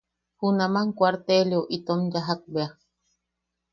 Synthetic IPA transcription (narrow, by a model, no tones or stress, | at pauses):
hunamaŋkʷwaɾt̪eljoʔit̪onjaɦak̚bea